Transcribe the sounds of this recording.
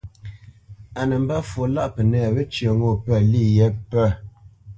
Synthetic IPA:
a˨nə˨m̩˦ba˦fo˨la˦ʔpə˨nɛ˦˨βə˦t͡ʃə˨ŋo˦˨pə˦˨li˦˨jɛ˦pɛ˦˨

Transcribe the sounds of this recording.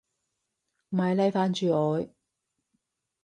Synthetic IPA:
m̩˩hɐ˨˧jlɐ˧˥jfaː˧˥nt͡ʃyː˨˧ɔː˨˧j

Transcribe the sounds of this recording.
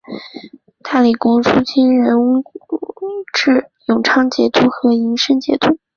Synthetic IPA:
t̪ʰa˥˩li˨˩kʊ˥ŋʂu˥t͡ɕʰi˥nɻə˧˥n˥ | ʈ͡ʂɻ̩˥˩jʊ˨˩ŋʈ͡ʂʰɑ˥ŋt͡ɕjɛ˧˥t̪u˥xɤ˧˥i˧˥ŋʂə˥nt͡ɕjɛ̰˧˥t̪ʰu˥˦

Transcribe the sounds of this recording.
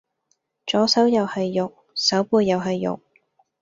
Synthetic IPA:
t͡ʃɔː˨˥sɐ˨˥wjɐ˨˧whɐ˨jːʊ˨k̚ | sɐ˨˥wpuː˧jːɐ˨˧wɦɐ˨jːʊ̰˨k̚

